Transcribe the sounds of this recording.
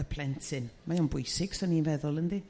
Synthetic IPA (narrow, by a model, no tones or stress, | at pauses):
əpʰl̥ˠɛntʰɪnmajɔnbʊjsɪɡ̥sɔninvɛðʊlˠəndi